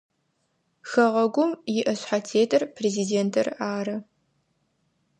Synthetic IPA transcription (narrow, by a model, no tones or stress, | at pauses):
xɐʁɐɡʷʊmjɪʔɐɕħatʰeːtʰʼɐrpʰreziːdeːntʰɐraːɾɐ